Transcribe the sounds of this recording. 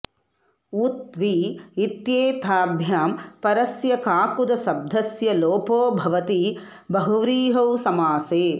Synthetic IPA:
ut̪ʋiit̪jeːt̪ʰaːbʱjaːmpɐɾɐsjɐkaːkud̪ɐsɐb̚d̪ʱɐsjɐloːpoːbʱɐʋɐt̪i | bɐɦuʋɾiːɦɐwsɐmaːseː

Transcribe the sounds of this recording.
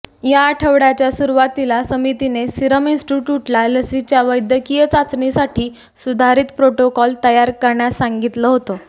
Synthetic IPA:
jaːʈʰəʋɽat͡ɕjasuɾuʋat̪ilasəmit̪inesiɾəminsʈuʈjuʈlaləsit͡ɕjaʋəjd̪jəkijət͡sat͡sɳisaʈʰiː | sud̪ʱaɾiːt̪pɾoʈokɔlt̪əjaɾkəɾɳjasaŋɡit̪ləɦot̪o

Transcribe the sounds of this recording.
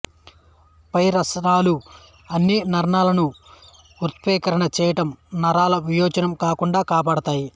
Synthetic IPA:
pɐjɾɐsɾaːlu | ɐnːinɐɾɳaːlɐnu | uɾt̪̚pɛːkɐɾɐɳɐt͡ʃɛːjɐʈɐmnɐɾaːlɐʋijɔːd͡ʒɐnɐmkaːkuɳɖaːkaːpaːɽɐt̪aːji

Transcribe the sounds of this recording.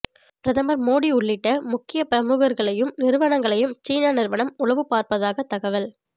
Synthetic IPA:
pɪɾɐðɐmɐɾmoːɽiʊɭːɪʈːɐmʊkːɪjɐpɪɾɐmuːɣɐɾɣɐɭɐjɯmnɪɾɯʋɐɳɐŋɡɐɭɐjɯmt͡ʃiːnaːnɪɾʋɐɳɐmʊlɐʋɯpaːɾpɐðaːɣɐt̪ːɐɣɐʋɐl

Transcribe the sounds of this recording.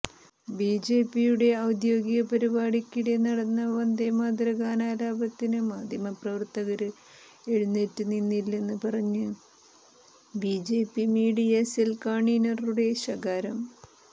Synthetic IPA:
biːd͡ʑeːpːijuɽe̞ɐwd̪jo̞ːɡiɣɐpɐɾibaːɽikʲːiɽenɐɽɐnːɐʋɐnd̪emaːd̪ɾɐkaːnaːɾaːbɐt̪ːinɨmaːd̪ʱjɐmɐprɐʋɐrt̪ɐɣɐɾɨ | e̞ɻunːetːuninːilːe̞nːɨpɐrɐɲːɨ | bid͡ʑe̞ːpːimiːɽiɐselkaːɳinɐruɽe̞ɕɐɡaːɾɐm

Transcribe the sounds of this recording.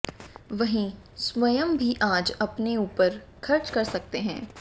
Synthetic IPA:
ʋɐɦĩ | sʋɐjəmbʱiʔaːd͡ʒɐpneuːpəɾ | kʰɐɾt͡ʃkɐɾsɐk̚t̪eɦɛ̰̃ː

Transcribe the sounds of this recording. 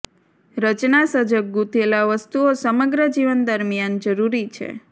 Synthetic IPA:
ɾət͡ʃnasəd͡ʒək̚ɡut̪ʰelaʋəst̪uosəməɡɾəd͡ʒiʋənd̪əɾmijand͡ʒəɾuɾit͡ʃʰḛ

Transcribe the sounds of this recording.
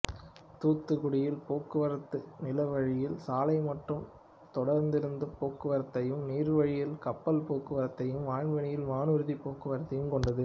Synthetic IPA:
t̪uːt̪ːɯɣʊɽɪjɪlpoːkːɯʋɐɾɐt̪ːɯnɪlɐʋɐɻɪjɪlsaːlɐɪmɐʈrɯm | t̪ɔɽɐɾnd̪ɪɾɯnd̪ɯpoːkːɯʋɐɾɐt̪ːɐjɯmniːɾɯʋɐɻɪjɪlkɐpːɐlpoːkɯʋɐɾɐt̪ːɐjɯmʋaːɳʋɐɳɪjɪlmaːnɯɾɯðipoːkːɯʋɐɾɐt̪ːɐjɯmkɔɳɖɐðɯ

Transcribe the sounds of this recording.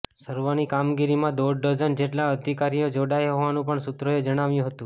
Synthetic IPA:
səɾʋanikamɡiɾimãd̪oɖɖəzənd͡ʒeʈlaəd̪ʱikaɾijod͡ʒoɽajɦoʋanũpəɳsʊt̪ɾoed͡ʒəɽ̃aʋjũɦət̪ũ

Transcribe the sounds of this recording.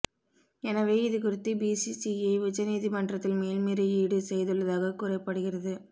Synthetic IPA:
ɛnɐʋeːɪðɯk̬ʊrɪt̪ːibiːsisiɐʊt͡ʃːɐniːðimɐɳdrɐt̪ːɪlmeːlmeːɾɯiːɽɯsɛjðɯɭːɐðaːɣɐkʊrɐɪpːɐɽɯɣɪrɐðɯ

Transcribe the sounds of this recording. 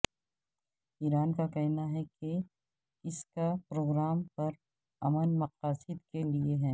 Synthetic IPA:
iːɾaːnkakɛɦnaɦɛke | ɪskapɾoːɡɾaːmpɐɾ | ɐmənmɐqaːsɪd̪kelieɦɛː

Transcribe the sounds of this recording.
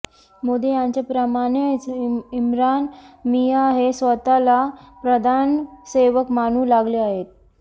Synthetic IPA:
mod̪ejãɲt͡ɕepɾəmañet͡simɾanmijaɦesʋət̪alapɾəd̪ʱanseʋəkmañuːlaɡleaɦet̪̚

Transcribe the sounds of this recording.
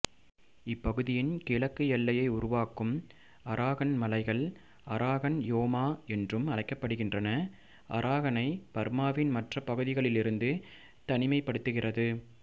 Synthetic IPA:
ɪpːɐɣɯðɪjɪnkɪlɐkːɯjɛlːɐjɐɪʊɾʊʋaːkɯm | ɐɾʔaːɣɐnmɐlɐɪɣɐɭ | ɐɾʔaːɣɐnjoːmaːɛndrɯmɐlɐɪkːɐpːɐɽɯɣɪndrɐnɐ | ʔɐ̰ɾʔaːɣɐnɐɪpɐɾmaːʋɪnmɐʈrɐpːɐɣɯðɪɣɐɭɪlɪɾɯnd̪ɯ | t̪ɐnɪmɐɪpːɐɽɯt̪ːɯɣɪrɐðɯ

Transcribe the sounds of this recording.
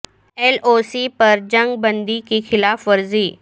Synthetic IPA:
elosiːpəɾd͡ʑə̃ŋɡ̚bənd̪ikixɪlaːfʋəɾziː

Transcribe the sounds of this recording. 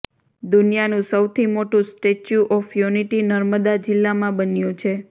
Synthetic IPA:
d̪unijanũsəwt̪ʰimoʈũsʈet͡ʃjuʔɔfjuniʈinəɾməd̪ad͡ʒɪlːamãbənjũt͡ʃʰe

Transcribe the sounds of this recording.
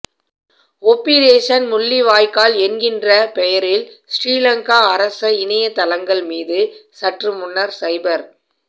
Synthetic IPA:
ɔpːiɾeːsɐnmʊɭːiʋaːjkaːlɛnɡɪndrɐpɛjɐɾɪlsɾiːlɐŋkaːɐɾɐsɐɪnɐjɐt̪ːɐlɐŋɡɐɭmiːðɯsɐʈrɯmʊɳːɐɾsɐɪbɐɾ

